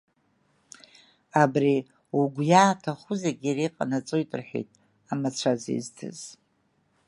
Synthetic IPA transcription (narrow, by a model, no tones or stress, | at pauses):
abri | uɡʷjaːtʰaχʊzeɡʲiɾiqʼa̰nat͡sʼojtʼɨrħʷᶣḛjtʼ | amat͡sʷʰazḭztʰɨ̰z̥